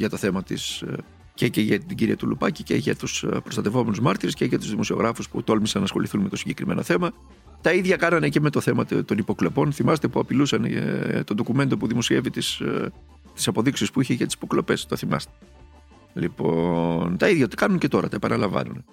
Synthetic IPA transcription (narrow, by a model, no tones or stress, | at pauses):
ʝɐt̪o̞θe̞mɐt̪ḭs | ceceʝɐt̪iɟiɾḭɐt̪ulṵpɐcice̞̰ʝɐ̰t̪uspɾost̪ɐt̪e̞vo̞me̞nuzmɐɾt̪iɾesceʝɐt̪uzðimo̞sio̞ɣɾɐfuspṵt̪o̞lmisɐnːɐːsxo̞̰liθunme̞t̪o̞siɲɟe̞kɾime̞no̞θe̞mɐ | t̪ɐiðʝɐkɐnɐneceme̞t̪oθe̞mɐt̪t̪o̞nipo̞klo̞po̞nθimɐst̪epuɐpilusɐn̰t̪ond̪o̞kume̞nt̪o̞puðimo̞sie̞vit̪is | t̪i̥sɐpo̞ðiksispuiçeʝɐt̪isi̥po̞klo̞pe̞st̪o̞θimɐ̰st̪e̥ | lipo̞nt̪ɐiðjʝɐt̪i̥kɐnunce̞t̪o̞ɾɐt̪ɐepɐnɐlɐɱvɐ̰nṵne